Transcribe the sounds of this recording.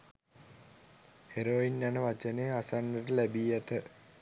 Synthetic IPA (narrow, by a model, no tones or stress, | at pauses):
heɾoinːanəʋat͡ʃəneasanːəʈəlæbiːɛt̪ə